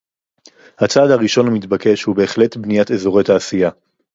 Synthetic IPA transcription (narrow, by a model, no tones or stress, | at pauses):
hat͡saːd̪haʁiʃo̞nhamitbake̞ʃhube̞ːχletbnijatezo̞ʁe̞jtaːsija